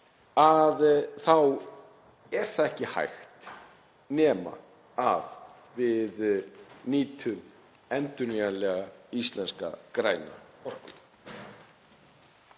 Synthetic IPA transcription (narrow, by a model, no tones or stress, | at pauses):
aðθaw | ɛɾ̥θaðɛhcɪha̰jxt̪ | nɛːma̰ | að | vɪðniːt̪ʰʏm | ɛnt̪ʏniɣanlɛːɣaist̪lɛnska̰kɾaːjna̰ɔr̥kʏt̪